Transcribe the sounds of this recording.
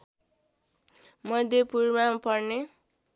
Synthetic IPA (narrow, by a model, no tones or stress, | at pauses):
mʌd̪ʱjepurmapʌrne